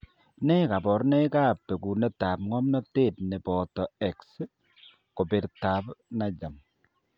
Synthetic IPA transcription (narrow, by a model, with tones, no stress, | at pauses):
nɛ˦ka˨bɔ˨ɾnɛ˦kaː˦pːe˨ku˨nɛ˦ta˨p̚ŋɔ˦mnɔ˦te˦˨t̚nɛ˨bɔ˨tɔ˨ɛ˨ks | ko˨bɪ˨ɾta˨pna˦d͡ʒa˨m